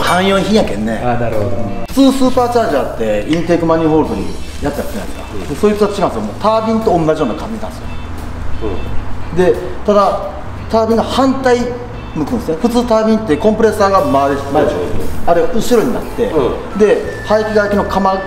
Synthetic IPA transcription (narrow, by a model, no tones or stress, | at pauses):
hãɰ̃joːɲiçĩakẽnːe̞̰anaɾoɸɯ̟̥t͡sɨːsɨːpaːt͡ɕad͡ʑaːt̪ːe̞ĩnt̪e̞ːkɯ̟maɲ̟ʲiho̞ːɾɯt̪oɲ̟ḭjat͡sɨjakt̪eakk̪a̰d̪esoːjisḁt͡ɕiɡãd̪sɨjmo̰ːt̪aːbʲĩnt̪o̞õ̞nːaʑijo̞ːnakãɲ̟d͡ʑinã̰nesɨjo̰ | d̪e̞t̪ad̪a | t̪aːbʲĩnːohãnt̪ai | mɯkɯ̟nesjonɸɯ̟t͡sɨːt̪aːbʲĩnt̪ːe̞kõ̞mpɯɾe̞saːɡamad̪emaaɾeʔɯ̟ɕiɾo̞ɲ̟ina̰t̪ːe̞ | d̪e̞ | haikʲiɡaikʲino̞kʰama